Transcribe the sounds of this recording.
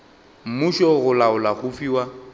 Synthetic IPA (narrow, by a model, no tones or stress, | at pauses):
m̩muʃɔɣʊlaʊlaɣʊfiːwa